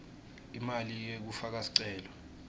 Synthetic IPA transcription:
imalijek̬ufak̬asi̥ǀɛːlɔ

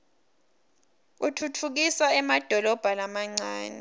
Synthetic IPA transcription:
utʰutʰuk̬isaɛmad̥ʱɔlɔb̥ʱalamaŋ͡ǀaːnɛ

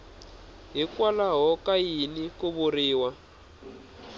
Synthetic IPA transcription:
ɦikwalaɦɔkajinikuβuriːwa

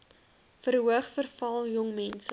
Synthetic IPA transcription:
fəɾɦuəχfərfɐlˠjɔŋmɛnsə

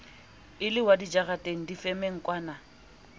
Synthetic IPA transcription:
ɪlɪwadid͡ʒaɣatʼeŋ̩difɛmeŋ̩kʼwaːna

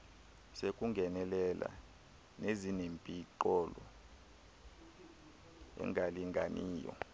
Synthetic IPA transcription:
sekʼuŋɡʱɛnɛlɛla̰ | nezinempʼiǃɔlɔ | ɛ̰ŋʱaliŋɡʱa̰niːjɔ̰

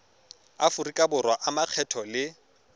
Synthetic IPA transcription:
afʊrikʼabʊrwaʔamaq͡χʰɛtʰɔlɪ

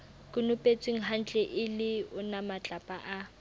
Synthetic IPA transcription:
kʼʊnʊpʼet͡sʼwiŋ̩ɦan̩t͡ɬʼɛʔɪlɪʊnamat͡ɬʼapʼaʔa

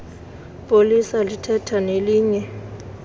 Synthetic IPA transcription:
pʼolisalitʰɛtʰaneliːɲɛ

